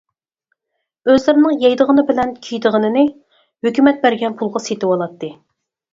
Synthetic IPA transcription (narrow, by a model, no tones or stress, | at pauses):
øzlɪɾɪnɨŋjɑjd̪əʁənɨbɪlɛnkʲʰyjd̪əʁənɨnɪ | høkʲymɛt̪̚bæɾɡʲɛnpʰulˠʁɑset̪ɨwɑlˠɑt̪ːɨ